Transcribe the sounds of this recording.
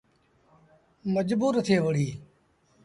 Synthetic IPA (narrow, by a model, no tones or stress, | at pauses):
məd͡ʒbuːɾət̪ʰeːʋəɽ̤iː